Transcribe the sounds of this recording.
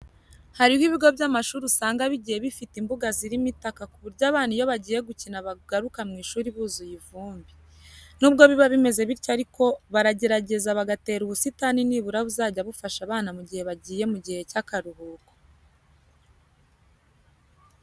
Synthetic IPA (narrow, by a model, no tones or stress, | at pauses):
haɾihwiβiɡo̞bjamaʃuːɾusaːŋɡaβiɟije̞βifitimbuɡaziɾimitakakuβuɾɟaːβaːnijo̞βaɟiːje̞ɡucinaβaɡ̥aɾukamŋiːʃuːɾiβuːzujivuːmbi | nuːb̚ɡo̞βiβaβime̞ze̞βiɾcoaɾiko̞βaɾaɟe̞ɾaɟe̞zaβaɡate̞ːɾuβusitaniniːβuɾaβuzaːɟaβufaʃaβaːnamuɟihe̞βaɟiːje̞muɟihe̞cakaɾuhuːko̥